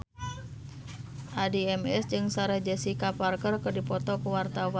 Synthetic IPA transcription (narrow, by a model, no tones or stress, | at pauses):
ʔadiɛmɛ̰sd͡ʒɨŋsaɾahd͡ʒɛsikaparkərkərdipɔt̪ɔkuwart̪awa